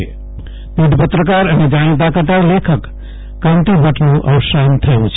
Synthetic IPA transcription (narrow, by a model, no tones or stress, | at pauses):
pid̪ʱpət̪ɾəkaɾəned͡ʒanet̪̬akəʈaɾlekʰəkː | ãnt̪ibəʈnuʔə̰sant̪ʰəjbut͡ʃʰ